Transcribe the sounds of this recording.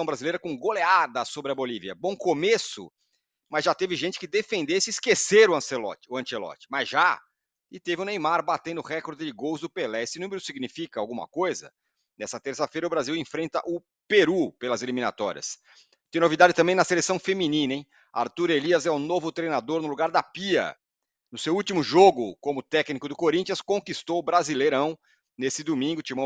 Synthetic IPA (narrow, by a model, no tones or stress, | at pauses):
ɐ̃w̃bɾazilejɾɐkõɡolead̪ɐsobɾɪɐboliviɐbõw̃komesʊ̰ | mɐzʒat̪evɪʒẽnt͡ʃɪ̥kɪd̪efẽnd̪esɪːskeseɾʊɐ̃selɔ̰t͡ʃɪ̥ʊɐ̃t͡ʃelɔ̰t͡ʃɪ̥mɐzʒa | ɪt̪evɪʊnẽj̃maɾbat̪ẽnd̪ʊhɛkoɾd͡ʒ̪ɪd͡ʒɪɡowzd̪ʊpelɛesɪnũmeɾʊsiɡnifikɐawɡũmɐ̰kojzɐ̰ | nɛsɐt̪eɾsɐfejɾɐʊbɾaziwẽfɾẽnt̪ɐ̰ʔʊ | peɾupelɐzelimĩna̰t̪ɔɾḭɐ̰s | t̪ẽj̃novid̪ad͡ʒɪt̪ɐ̃bẽj̃nɐselesɐ̃w̃femĩnĩnɐẽj̃ | a̰ɾt̪uɾeliɐzɛʊnovʊt̪ɾejnad̪oɾnʊluɡaɾd̪ɐpiɐ̰ | nʊsewuwt̪imʊʒoɡʊkõmʊt̪ɛknikʊd̪ʊkoɾĩnt͡ʃiɐ̃skõkist̪owʊbɾazilejɾɐ̃w̃ | nesɪd̪umĩŋɡʊt͡ʃimɐ̃